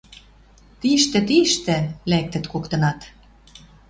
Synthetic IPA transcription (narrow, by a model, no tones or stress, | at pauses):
t̪iʃt̪ɘ̆t̪iʃt̪ɘ̆læk̚t̪ə̆t̪kokt̪ɤ̆nɑt̪